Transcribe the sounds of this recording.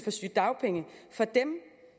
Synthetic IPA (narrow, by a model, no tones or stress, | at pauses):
fɒ̽sy̰ːd̥ɑ̈ʊpʰeŋəfɒ̽d̥em